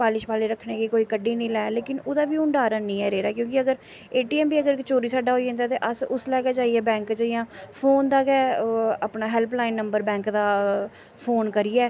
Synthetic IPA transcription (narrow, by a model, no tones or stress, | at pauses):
paːlɪʃpaːleːɾəkʰːneːkiːkoːiːkəɖːiːnĩːlɛːleːkɪnod̪aːʋiːʊɳɖaːɾaːnĩːɛːɾeːɾaːkjõːk̬ɪəɡəɾ | eːʈiːɛːmbiːəɡəɾt͡ʃoːɾiːsaːɖaːɦoːiẽnd̪aːt̪eːʔəsʊslɛːkɛːd͡ʒaːiɛːbɛ̃ːŋkt͡ʃːjãːpʰoːnd̪aːkɛːaːpnaːɦɛːlplaːɪnːəmbəɾbɛ̃ːŋkd̪aː | pʰoːnkəɾiːɛː